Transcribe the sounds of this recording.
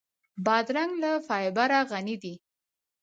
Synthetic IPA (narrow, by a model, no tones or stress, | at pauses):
bɑd̪ɾaŋɡlafɑjbaɾaɣanid̪i